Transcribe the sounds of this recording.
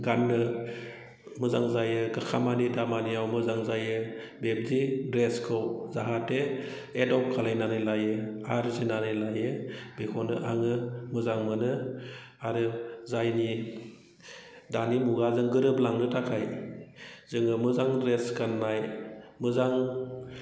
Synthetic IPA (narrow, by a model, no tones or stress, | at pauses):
ɡanːɯ | mɯzaŋzajɯɡakʰamanidamaniawmɯzaŋzajɯ | beb̚zidɾeskʰɯwzaɦate | edɔp̚kʰalajnanɯlajɯaɾzinanɯjlajɯbekʰɔnɯʔaŋɯmɯzaŋmɯnɯ | aɾɯzajni | danimuɡazɯŋɡɯɾɯblaŋnɯtʰakʰaj | zɯŋɯmɯzaŋdɾeskʰanːajmɯzaŋ